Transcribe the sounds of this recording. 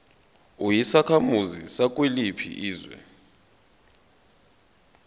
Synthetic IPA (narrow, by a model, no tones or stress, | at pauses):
ujisakʰamuzisak̬ʼwelipʰḭʔiːzwɛ̰